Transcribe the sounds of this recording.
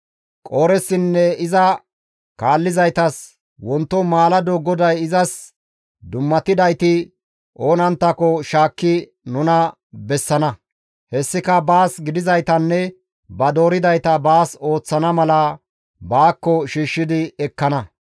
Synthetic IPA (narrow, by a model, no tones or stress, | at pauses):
kʼoːɾɛsːɪnːɛɪzɐ | kaːlːɪzɐjt̪ɐs | wɔnt̪ːɔmaːlɐd̪ɔɡɔd̪ɐjɪzɐs | d̪ʊmːɐt̪ɪd̪ɐjt̪ɪ | ʔoːnɐnt̪ːɐkɔʃaːkːɪ | nʊnɐ | bɛsːɐnɐ | hɛsːɪkɐbaːsɡɪd̪ɪzɐjt̪ɐnːɛ | bɐd̪o̞ːɾɪd̪ɐjt̪ɐbaːso̞ːt͡sːɐnɐmɐlɐ | baːkːɔʃiːʃːɪd̪ɪɛkːɐnɐ